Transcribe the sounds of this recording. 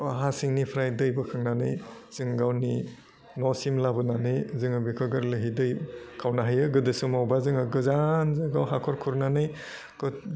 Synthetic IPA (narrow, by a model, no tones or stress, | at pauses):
ɦasiŋnipʰɾajdɯjbɯkʰaŋnanɯjz̥ɯŋɡawni | nɔsimlabɯnanɯjzɯŋɯbikʰɯɡɯɾlɯɦidɯjkʰawnaɦajɯɡɯdɯsumawbazɯŋɯɡɯzanzɯɡawɦakʰɔɾkʰuɾnanɯj | kɯ